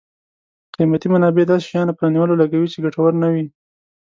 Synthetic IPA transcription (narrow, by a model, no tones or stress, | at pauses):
qimat̪imanɑbed̪ɑse̥ʃajɑnapəɾɑniwəlolaɡawit͡ʃeɡaʈawəɾnawi